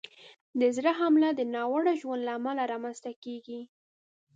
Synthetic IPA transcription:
d̪əzɾaɦamlad̪ənɑwaɽaʒwand̪laːmalaɾɑmanzt̪akeɡi

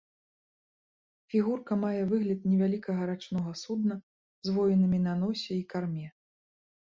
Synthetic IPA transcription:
fʲiɣurkɐmajɛvɨɣlʲɐt̪̚nʲɛvʲalʲikɐɣɐɾat͡ʂnɔɣɐsud̪̚nɐ | zvɔjɛnɨmʲinɐnɔsʲɛikarmʲɛ

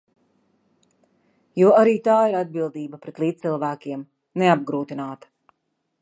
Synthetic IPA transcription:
juɔaɾiːt̪aːiɾad̪̚bilˠd̪iːbɐpɾɛt̪lˠiːt̪̚silˠvæːkʲiɛm | neab̚ɡɾuːt̪inaːt̪ɐ̥

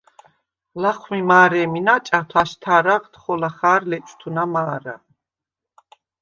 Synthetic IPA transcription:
laχmimaːɾɛminat͡ʃʼat̪ʰaʃt̪ʰaɾaʁt̪χɔlaχaːɾlɛt͡ʃʼt̪ʰunamaːɾa̰

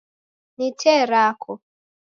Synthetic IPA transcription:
nitʰɛɾakʰɔ

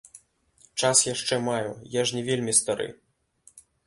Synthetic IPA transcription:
t͡ʂasjaʂt͡ʂɛmajujaʐnʲɛvʲelʲmʲist̪aɾɨ̰

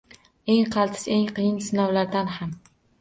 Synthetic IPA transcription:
eŋqʰɑlˠt̪ʰɪ̥seŋqʰɨjɪnsɪnɒwlaɾd̪anham

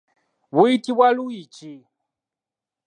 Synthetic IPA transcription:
βuitʼiβwaluit͡ʃʼi

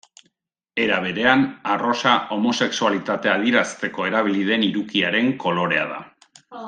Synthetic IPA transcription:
e̞ɾaβ̞e̞ɾe̞anaro̞saʔo̞mo̞se̞ksualit̪at̪e̞aðiɾast̪e̞ko̞e̞ɾaβ̞iliðe̞niɾukiaɾe̞ŋko̞lo̞ɾe̞a̰ða̰

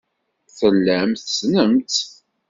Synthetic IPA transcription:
θəlːæmθsnəmt̪

